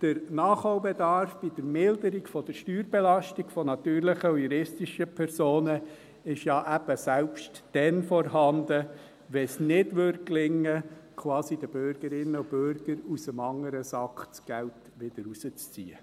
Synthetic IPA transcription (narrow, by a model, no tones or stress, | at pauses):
d̥əɾnɑːχhowbɛdɑɾfb̥id̥əɾmɪldəɾiɡfɔd̥əʃtyːɾbɛlɑʃtiɡfɔnɑt̪yːɾlɪχəujuɾɪstiʃəpʰɛɾsoːnə | ɪʃjɑːʔæb̥əsælpʃtd̥ɛnfɔɾɦɑnd̪ə | ʋɛsnɪdʋʏɾklɪŋːəkʰwɑːsid̥əb̥øɾɡ̥əɾɪnːəʊbøɾɡ̥əɾusəmɑŋəɾəsɑkt͡sɡ̥ælt | ʋɪd̥əɾusət͡st͡sḭːə̰